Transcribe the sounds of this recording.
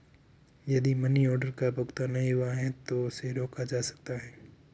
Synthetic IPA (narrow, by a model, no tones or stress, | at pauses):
jɐd̪imɐniɔːɾɖəɾkabʊɡt̪anɐɦĩɦʊaɦɛt̪oʊseɾoːkad͡ʒaːsɐ̥k̚t̪aɦɛː